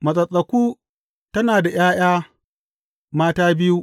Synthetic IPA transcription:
mɐ˨sʼɐ˨sʼɐ˨kʷuː˦ | tɐ˦naː˨da˨j̰aː˦j̰aː˦ | maː˦taː˦bɪ˦ju˦

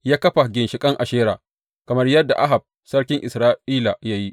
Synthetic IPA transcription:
jaː˦kɐ˦ɸa˨ɡʲɪ˨nʃɪ˨kʼɐ˦ŋʔa˨ʃeː˦ɾaː˨ | kɐ˨mɐ˦rjɐ˦dːa̰˨ʔa˦ɦa˨b̚ | sɐ˦rkʲɪ˦ŋʔɪ˨sɾaː˦ʔiː˦la˨ja˦ji˦

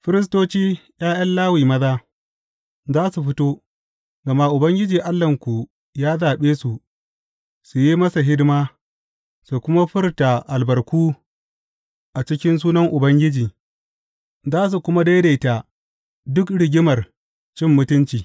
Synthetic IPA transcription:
ɸɪ˦ɾɪ˦s̬toː˦t͡ʃiː˦j̰aː˦jɐ˦nlaː˦wiː˨mɐ˦zaː˦ | zaː˦su˨ɸɪ˦toː˦ | ɡɐ˨maː˦ʔʊ˨bɐ˦ŋɡʲɪ˦d͡ʒiː˨ʔa˦lːɐ˨ŋkʷu˨ | jaː˦zaː˨ɓeː˦su˨ʔ | su˨ji˦mɐ˦sa˨ɦɪ˦dmaː˦ | su˨kʷʊ˦ma˦ɸɪ˦rta˨ʔa˨lbɐ˨rkʷuː˦ | ʔa˨t͡ʃɪ˦kʲɪ˦ns̬uː˦nɐ˦ŋʔʊ˨bɐ˦ŋɡʲɪ˦d͡ʒiː˨ | zaː˦s̬u˨kʷʊ˦ma˦da˦jda˨jta˨ | dʊ˦kɽɪ˨ɡʲɪ˦mɐ˨r | t͡ʃɪ˦mːʊ˦tʊ˦nt͡ʃiː˨

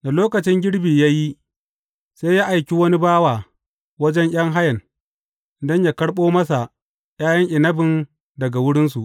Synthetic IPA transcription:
da˨loː˦kɐ˨t͡ʃɪ˦ŋɡʲɪ˦ɽbiː˨jaː˦ji˦ | seː˦jaː˦ʔa˨jkʲi˦wɐ˦ni˦baː˦waː˨ | wɐ˦d͡ʒɛ˦ŋʔj̰ɐ˦ŋɦa˦jɐ˨n | dɐ˦ɲjaː˦kɐ˦ɽɓoː˦mɐ˦sa˨ʔ | j̰aː˦jɐ˦ŋʔɪ˨nɐ˦bɪ˨n | dɐ˨ɡa˨wʊ˦ɽɪ˦nsu˨ʔ

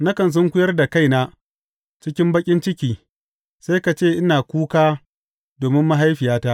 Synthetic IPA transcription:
na˦kɐ˨ns̬ʊ˦ŋkʷʊ˦jɐ˦rda˨ka˦jnaː˦ | t͡ʃɪ˦kʲɪ˦mbɐ˦kʲʼɪ˦nt͡ʃɪ˦kʲiː˨ | sa˦jka˨t͡ʃeː˦˨ʔɪ˦naː˨kʷuː˦kaː˦ | doː˨mɪ˦mːa˦ɦa˦jɸɪ˨jaː˦ta˦ʔ

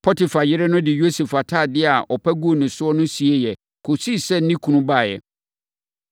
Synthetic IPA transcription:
pʰɔ˦tɪ˨fa˨jɪ˦ɾɪ˦nʊ̃˦dɪ˨jo˦se˨fa˨tʰa˦˨dɪ˦a˨ʔɔ˨pʰæ˦ɡu˦o˨nɪ̃˨sʊ˦ɔ˦nʊ̃˦si˨e˦jɛ˨ | kʰo˨si˦˨sɛ˦˨n̩˦nĩ˦kʰũ˨nũ˦ba˦˨jɛ̰˨

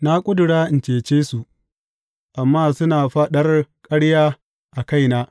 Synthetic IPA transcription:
na˦kʷʼʊ˦dʊ˨ɽaː˦ʔɪ˨nt͡ʃeː˨t͡ʃeː˦su˨ʔ | ʔa˨mːaː˦˨sʊ˦naː˨ɸa˦ɗɐ˦rkʼɐ˦ɽjaː˦ | ʔa˨ka˦jnaː˦

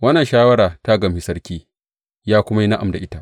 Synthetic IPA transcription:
wɐ˦nːɐ˨ʃaː˦wɐ˦ɽaː˨ta˦ɡɐ˨mi˨sɐ˦rkʲiː˦ | jaː˦kʷʊ˦ma˦ji˦na˦ʔa˨mda˨ʔɪ˦ta˦˨ʔ

